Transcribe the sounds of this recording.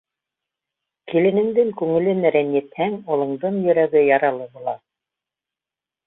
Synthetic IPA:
kilɘ̆nɘ̆ŋd̪ɘŋkʉŋɘ̆lɘnæɾɘnjɘ̆t̪hæŋŏlˠɤ̆ɴd̪ɤɴjɵ̆ɾæɡɘjɑɾɑlˠɤbulˠɑ

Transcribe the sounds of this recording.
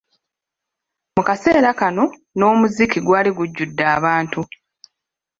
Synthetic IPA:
mukase̞ːɾakano̞ | no̞ːmuzikiɡwaːliɡuɟːudːaːβaːntu

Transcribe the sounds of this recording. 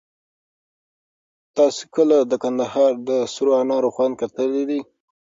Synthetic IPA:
t̪ɑse̥kəlad̪əkand̪ahɑɾd̪əsʊɾoanɑɾoxwɑnkat̪əled̪i

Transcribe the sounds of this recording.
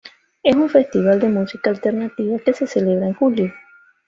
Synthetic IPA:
e̞suɱfe̞st̪iβ̞ald̪e̞musikaːlt̪e̞ɾnat̪iβake̞se̞sele̞βɾaeŋxuljo

